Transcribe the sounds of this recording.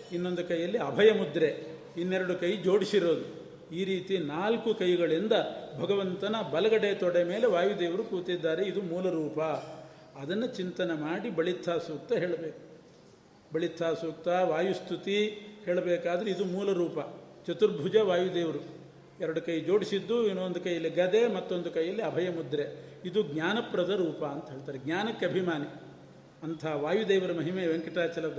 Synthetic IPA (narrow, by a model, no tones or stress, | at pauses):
inːo̞nd̪ukɐjːɐlːiɐbʱɐjɐmud̪ɾe | inːɛɾɐɽukɐjud͡ʒo̞ːɽisiɾo̞ːd̪u | iːɾiːt̪inaːlkukɐjɡɐɭind̪ɐbʱɐɡɐʋɐnt̪ɐnɐbɐlɐɡɐɽet̪ɔɽemeːleʋaːjud̪eːʋɐɾukuːt̪id̪ːaːɾe̞id̪umuːlɐɾuːpɐ | ɐd̪ɐnːɐt͡ʃint̪ɐnɐmaːɽibɐɭit̪ʰːaːsuːk̚t̪ɐɦeːɭɐbeːku̥ | bɐɭit̪ʰːaːsuːk̚t̪ɐʋaːjust̪ʰut̪iheːɭɐbɛːkaːd̪ɐɾeid̪umuːlɐɾuːpɐ | t͡ʃɐt̪uɾbʱud͡ʒɐʋaːjud̪eːʋɐɾu | ɛɾɐɽukɐjid͡ʒo̞ːɽisid̪ːuinːuond̪ukɐjːɐlːiɡɐd̪emɐt̪ːo̞nd̪ukɐjːɐlːiɐbʱɐjɐmud̪ɾeid̪uɡɲʲaːnɐpɾɐd̪ɐɾuːpɐːnt̪ɐɦeːɭt̪aːɾeɡɲʲaːnɐkːɐbʱimaːni | ɐnt̪ʰɐɦɐʋaːjud̪ɛːʋɐɾumɐɦimeːʋeŋkiʈɾaːt͡ʃɐlɐd̪